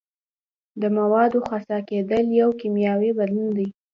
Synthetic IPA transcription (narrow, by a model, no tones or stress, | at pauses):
d̪əmawɑd̪oxasɑked̪əljawkimjɑwibalund̪i